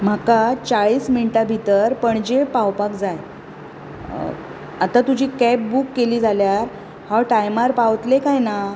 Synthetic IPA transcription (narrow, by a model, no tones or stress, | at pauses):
m̤akat͡saɭiːsminʈabʱit̪əɾpəɳd͡ʑepawpakd͡zaj | at̪at̪ud͡ʑʱiːkɛp̚bukːeliːd͡zʱaljaɾ | hawʈajmaɾpawt̪lekajna